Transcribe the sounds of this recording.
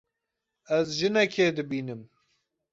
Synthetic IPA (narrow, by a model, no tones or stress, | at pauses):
æzʒɨnɛkʰeːd̪ɨbiːnɨm